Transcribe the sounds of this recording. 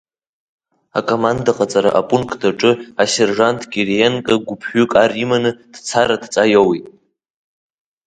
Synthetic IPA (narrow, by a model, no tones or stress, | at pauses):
a̰kʼomandaqʼat͡sʼaɾa̰ʔapʼunkʰʼdʰaʈ͡ʂʼɨaserʐantʰʼɡʲirjenkʼaɡʷʊpʰħʷᶣʏkʼarimanɨd̥t͡sʰaɾadt͡sʼajowitʼ